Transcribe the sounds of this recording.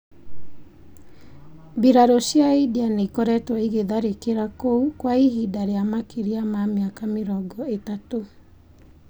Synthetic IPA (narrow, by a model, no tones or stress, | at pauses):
biɾaɾoʃjaidianeikɔɾɛtwɔiɣeðaɾekeɾakoukwaiɦidaɾeamakeɾiamameakameɾɔɡɔetato